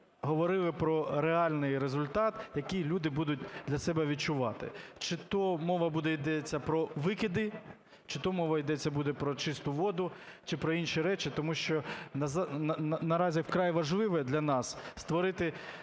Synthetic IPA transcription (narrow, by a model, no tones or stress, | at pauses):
ɦɔʋɔɾɪlˠɪpɾɔɾeɑlʲnɪjɾezʊlʲt̪ɑt̪jɐkijlʲud̪ɪbud̪ʊt̚ʲd̪lʲɐsɛbɛʋʲid̪̚t͡ʃʊʋɑt̪ɪ̰t͡ʃɪt̪ɔmɔʋɐbud̪ɛid̪ɛt͡sʲːɐpɾɔʋɪkʲid̪ɪ | t͡ʃɪt̪ɔmɔʋɐid̪ɛt͡sʲːɐbud̪ɛpɾɔt͡ʃɪst̪ʊʋɔd̪ʊt͡ʃɪpɾɔinʃiɾɛt͡ʃɪt̪ɔmuʃt͡ʃɔnɐznɐɾɑzʲiwkɾɑjʋɐʒlˠɪʋɛd̪lʲɐnɑsst̪ʋɔɾɪt̪ɪ